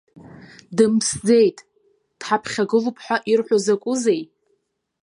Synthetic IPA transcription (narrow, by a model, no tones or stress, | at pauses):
dɨmsd͡zejtʼ | d̥ħapʰχʲaɡɨlupʰħʷᶣaʔirħʷozakʷʼʊzej